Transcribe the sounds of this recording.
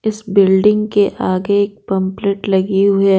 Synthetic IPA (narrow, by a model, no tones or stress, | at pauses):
ɪsbɪlɖɪ̃ŋɡkeʔaːɡeːk̚pɐ̃mpleːʈlɐɡiɦʊe